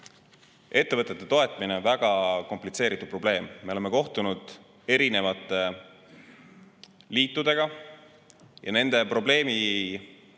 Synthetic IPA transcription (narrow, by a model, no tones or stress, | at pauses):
e̞t̪ːe̞vɤt̪ːˑe̞t̪ːe̞t̪o̞e̞t̪ˑmineonvæɡ̥ɑko̞mplit̪se̞ːɾit̪ːˑud̪̚pro̞b̥le̞ːmːe̞o̞lemeko̞ht̪unud̪̥ | e̞ɾine̞vɑt̪ːˑe̞ | liːt̪ːˑud̪̥e̞ɡ̥ɑ | jɑ̰ne̞nd̪̥epro̞ble̞ːmi